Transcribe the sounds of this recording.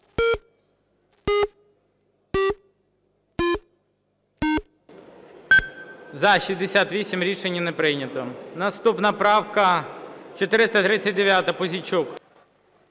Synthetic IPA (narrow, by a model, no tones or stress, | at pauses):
zɐʃizʲd̪esʲat̪ʋʲisʲimɾʲiʃenʲːɐnepɾɪjnʲɐt̪ɔnɐst̪upnɐpɾɑwkɐt͡ʃɔt̪ɪɾɪst̪ɐt̪ɾɪt͡sʲːɐt̚ʲd̪eʋʲjat̪ɐpɔzʲit͡ʃɔk